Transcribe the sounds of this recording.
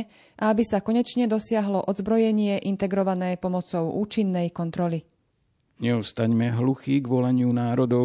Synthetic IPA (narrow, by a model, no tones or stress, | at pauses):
ʔaabisakɔɲɛt͡ʃɲɛd̪ɔsɪaɦlɔʔɔd̪zbɾɔjɛɲɪɛʔint̪ɛɡɾɔʋanɛːpɔmɔt͡sɔʊʔuːt͡ʃinːɛjkɔnt̪ɾɔli | ɲɛɔst̪aɲmɛɦluxiːɡʋɔlaɲɪunaːɾɔd̪ɔ